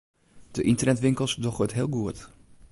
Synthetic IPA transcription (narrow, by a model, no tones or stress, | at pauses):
d̥əʔɪntərnɛtʋɪŋkəlˠsdɔχʋøtɦɪːlˠɡuət